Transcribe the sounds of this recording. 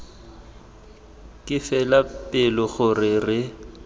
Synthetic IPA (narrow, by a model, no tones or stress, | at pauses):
kʼɪfɛlapʼɪlɔɣʊrɪrɪ